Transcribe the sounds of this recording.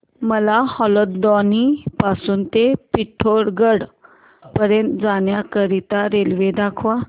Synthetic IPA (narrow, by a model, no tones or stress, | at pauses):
məlahɔlət̪d̪ɔnipasuːnt̪epiʈʰːoɽɡəɽ | pəɾjənt̪d͡zanjakəɾit̪aɾelʋed̪akʰʋa